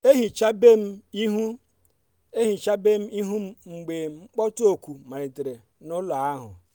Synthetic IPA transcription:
e˦ɦi˨t͡ʃa˦be˦m̩˦i˦ɦu˦ | e˦ɦi˨t͡ʃa˦be˦m̩˦i˦ɦu˦m̩˦ŋ͡m̩˨ɡ͡be˨ŋ͡m̩˦k͡pɔ˦to˨kʷu˨ma˨ɾe˨te˨ɾe˨ | nʊ˦la˨a˦ɦʊ̰˨

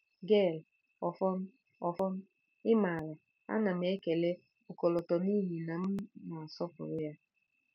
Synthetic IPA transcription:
ɡe˦˨l | ɔ˨fɔ˦m̩˦ | ɔ˨fɔ˦n̩˦ | ɪ˦ma˨la˨ | a̰˦na˨m̩˦e˦ke˨le˦ | o˨kɔ˨lɔ˨tɔ˨ni˦ɦi˨na˨m̩˦na˨a˨sɔ˦pʊ̰˨ɾʊ˦ja˦

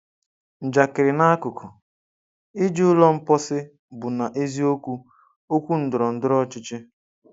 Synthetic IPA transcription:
n̩˨d͡ʒa˨kɪ˨ɾɪ˨na˦a˦kʊ˨kʰʊ˨ | ɪ˦d͡ʒi˦ʊ˦lɔ˦m̩˦pɔ˦sɪ˦ | bʊ˨na˨ʔe˦zi˦o˦kʷu˦ | o˦kʷu˦n̩˦dʊ˨ɾɔ˨n̩˦dʊ˦ɾɔ˦t͡ʃɪ˦t͡ʃɪ˦

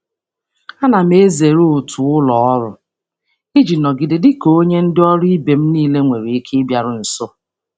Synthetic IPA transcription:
a˦na˨m̩˦e˦ze˨ɾo˦o˨tʰu˨ʊ˦lɔ˨ɔ˦ɾʊ̰˨ | i˦d͡ʒi˨nɔ˨ɡɪ˨dɪ˨dɪ˦ko˨o˦ɲe˦n̩˦dɪ˦ɔ˦ɾʊ˦i˦be˨m̩˦niː˦le˦ŋʷe˨ɾi˨i˦kʰe˦bja˨ɾʊ˨n̩˨so˦

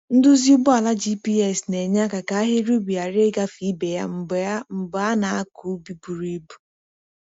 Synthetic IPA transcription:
n̩˦dʊ˦zi˦ʊ˦bʊ˦a˨la˦d͡ʒi˦pi˦ɛ˦˨sne˨ɲa˦ka˨ka˨˦a˦ɦe˦ɾu˦bi˨a˨ɾe˦ɡa˦fi˦be˨ja̰˦m̩˨ba˦m̩˨ba˨a˦na˨a˦ku˨˦bi˦bu˨ɾi˦bu˨

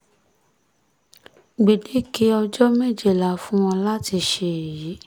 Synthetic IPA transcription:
ɡ͡be˨de˨˦ki˨˦ɔ˧d͡ʒɔ˦me˦˨d͡ʒe˨la˨fũ˦wɔ̃˧la˦ti˧ʃe˦˨ji˨˦

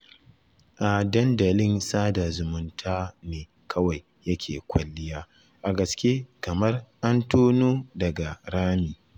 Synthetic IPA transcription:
ʔa˨dɐ˦ndɐ˨lɪ˦nsaː˦da˨zʊ˨mʊ˦ntʰaː˦neː˨ | kʰɐ˦wa˨j | jɐ˦kʲʰeː˨kʷɐ˨lːɪ˦jaː˦ | ʔa˨ɡɐ˨skʲe˦kɐ˨mɐ˦rʔa˦ntoː˦noː˦dɐ˨ɡa˨ɾaː˦miː˨

